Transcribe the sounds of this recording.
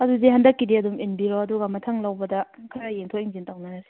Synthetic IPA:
ɐduzihɐndɐkːidiɐduminbiɾoɐduɡɐmɐtʰɐŋlɐwbɐdɐkʰɐɾɐjeŋtʰoiŋzintawnɐnɐsi̥

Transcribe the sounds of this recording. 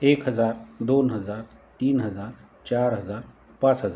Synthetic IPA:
eːkɦəzaːɾd̪oːnɦəzaːɾ | t̪iːnɦəzaːɾ | t͡ʃaːɾɦəzaːɾ | pãːt͡ʃɦəzaːɾ

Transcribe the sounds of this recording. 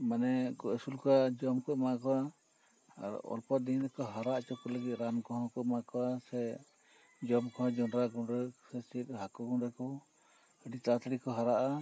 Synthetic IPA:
manɛɡɔɛsulkɔad͡ʒɔmkɔʔmakɔwa | a̰ɾ̰ɔ̰lpɔt̪̚d̪iɲɾɛkɔɦaɾaʔt͡ʃɔkɔləɡit̪̚ɾamkɔɦɔ̃kɔmakɔwasɛ | d͡ʒɔmkɔɦɔ̃d͡ʒɔnɾaɡunɾɛsɛt͡ʃit̪̚ɦakɔɡɔnɾɛkɔ | əɖit̪at̪ʰɾikɔɦaɾaʔa

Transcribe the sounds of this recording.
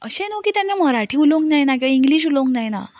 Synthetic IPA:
əɕenokiːt̪janːaməɾaʈʰiːulõŋknaɦjnakĩw̃ʋaĩŋɡliːɕ̬uloŋknaɦjna̰

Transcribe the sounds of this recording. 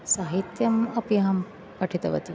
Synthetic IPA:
saːɦit̪jɐmɐpjɐɦɐm | pɐʈʰit̪ɐʋɐ̰t̪i

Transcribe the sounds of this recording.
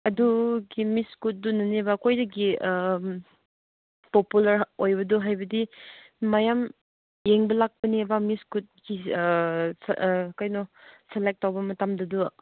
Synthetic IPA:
ɐduɡimiskut̚dunɐnebakʰojdɐɡi | populaɾojbɐduɦajbɐdiː | ajam | jeŋbɐlak̚pɐnibamiskut̚ɡi | kajnɔselek̚tːawbɐmɐtamdɐdu

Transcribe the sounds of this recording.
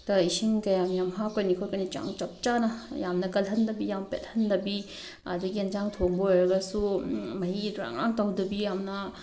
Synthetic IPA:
tɐisiŋkajamjamɦakojnikʰoɾkɐnit͡ʃa̰ŋt͡ʃɐp̚t͡ʃanɐjamnɐkɐlɦɐndɐbijampḛt̚hɐndɐbi | ɐduɡind͡ʒaŋtʰoŋboɔjɾɐɡɐsumɐjiduɾa̰ŋa̰ŋtawdɐbijamnɐ

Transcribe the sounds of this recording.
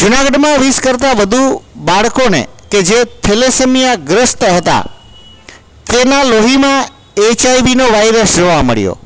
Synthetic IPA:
d͡ʒunaɡəɖmãʋiskəɾt̪aʋəd̪ʱubaɭkonḛked͡ʒet̪ʰelesemijaɡɾəst̪ɦət̪a̰ | t̪enaloɦimã | et͡ʃajʋinoʋajɾəsd͡ʒoʋamə̰ɭjo̰

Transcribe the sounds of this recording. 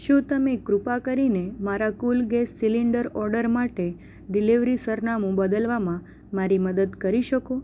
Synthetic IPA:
ʃũt̪əmekɾupakəɾinemaɾakulɡesːiliɳɖəɾɔɾɖəɾmaʈe | ɖiliʋɾisəɾnamũbəd̪əlʋamã | maɾiməd̪əd̪kəɾiʃəko

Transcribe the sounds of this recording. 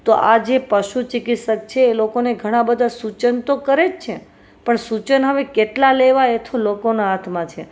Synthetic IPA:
t̪oʔad͡ʒepəʃut͡ʃɪkit̪ʃək̚t͡ʃʰeːlokoneɡʱəɽ̃ãbəd̪ʱasut͡ʃənt̪okəɾed͡ʒt͡ʃʰe | pəɳsut͡ʃənɦəʋekeʈlaleʋaet̪ʰolokonaat̪ʰmãt͡ʃʰe

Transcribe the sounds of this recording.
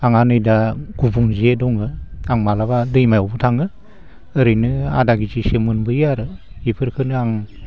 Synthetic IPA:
aŋanɯjdaɡ̥ubuŋzedɔŋɯaŋmalabadɯjmajɔbɯtʰaŋɯ | ɯɾɯjnɯa̰daɡizisemɯnbɯjaɾɯ | ipʰɯɾkʰɯnɯaŋ

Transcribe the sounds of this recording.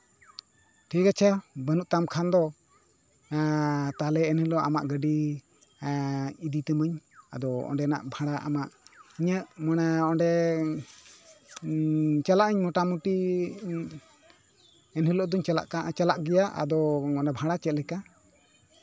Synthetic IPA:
ʈʰikat͡ʃʰəbənuʔt̪amkʰand̪ɔ | t̪alɛɛnhilɔʔama̰ʔɡəɖi | id̪it̪ɛməɲa̰d̪ɔɔ̰ɳɖɛna̰ʔbʱaɽaʔa̰maʔiɲəʔmanaɔɳɖɛ | t͡ʃalaʔəɲmɔʈamuʈi | ɛnɦilɔʔd̪ɔɲt͡ʃala̰ʔkat͡ʃalaʔɡɛjaʔa̰d̪ɔmɔɖɛbʱãɽat͡ʃɛt̪̚lɛka

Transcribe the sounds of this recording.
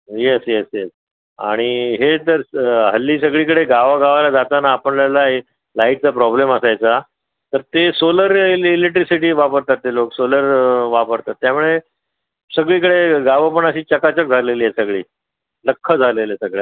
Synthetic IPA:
jesjesjes | a̰ɽ̃iɦet̪əɾɦəlːiːs̬əɡɭiːkəɽeɡaʋaɡaʋalad͡zat̪anaːpəɳləlaɦe | laiʈ̚t͡sapɾɔbleməsajt͡sa | t̪əɾt̪esoləɾileʈɾisiʈiːʋapəɾt̪at̪ːeloksoləɾʋapəɾt̪at̪ːjamuɭe | səɡɭiːkəɽeɡaʋapəɳəɕiːt͡ɕəkat͡ɕək̚d͡zʱaleliːɦesəɡɭiː | ləkʰːəd͡zʱalelesəɡɭja̰

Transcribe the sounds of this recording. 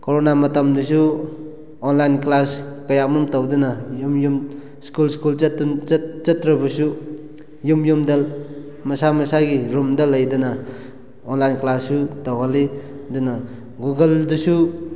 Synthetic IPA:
koɾonamɐtamdisu | ɔnlajnklaskɐjamumtawdinajumjum | skulskult͡ʃtt͡ʃɐtɾɐbɐsu | jumjumda | mɐsamɐsaɡiɾumdalajdɯna | ɔnlajnklasːutawɦali | dɯna | ɡuɡɐldusu

